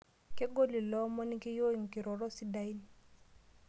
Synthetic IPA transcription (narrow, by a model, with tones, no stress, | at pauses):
ke˦ɡo˦li˨lɔ˦mɔ˦ni˦kɛ˦jo˦i˨ŋ̩˨ki˨ɾɔ˨ɾɔ˦si˦da˦i˦li˨